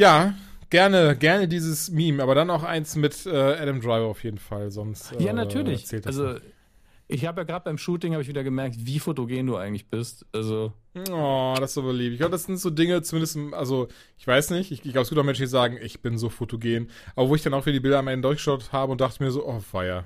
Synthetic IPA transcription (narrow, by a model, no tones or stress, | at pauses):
jaːɡ̥ɛɐnəɡɛɐnədiːzəsmiːmʔaːbɐɾanaʊxʔaɪnsmɪtʔɛːʔɛɾɛmdʁaɪvɐaʊfjeːdn̩falzɔnsttʔɛjaːnatʰyːɐlɪʔt͡sɛːltd̥alszo | ʔɪçhaːbəjaːɡʁaːtəbaɪmʃuːtɪŋhabɪçv̥iːdɐɡəmɛɐk̚tviːfotoɡeːnduːʔaɪɡŋ̩tlɪçb̥ɪstʔalzoɔd̥assz̥oːbəliːp̚tɪçɡ̥aʊbədasz̥ɪntz̥oːdɪŋət͡sumɪndəstmʔalzo | ʔɪçv̥aɪsnɪçtɪçɡɪç̥laʊbəsɡiptaʊmɛnʃn̩diːzaːɡŋ̩ʔɪçb̥ɪnzoːfotoɡeːnʔaːbɐvoːɪçd̥anaʊxfiːdiːbɪldɐamʔɛndədʊɐçɡə̥ʃaʊthaːbəʊnt̚d̥aχtəmiːɐzoːʔɔv̥aɪɐ